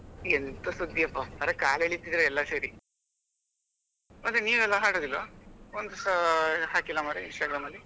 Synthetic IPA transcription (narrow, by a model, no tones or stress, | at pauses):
ent̪usud̪ːiɐpːɐɐɾekaːleɭit̪id̪iɾeɛlːɐseːɾi | mɐd̪ɾeniːʋɛlːɐɦaːɽoːd̪ilʋa̰ond̪ɐsaɦaːkilːɐmaɾeinʂʈaːɡɾaːmɐlːi